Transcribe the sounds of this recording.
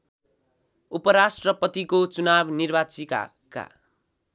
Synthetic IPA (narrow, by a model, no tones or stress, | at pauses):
upʌɾasʈrʌpʌt̪ikot͡sunabnirbat͡sika̰ | ka̰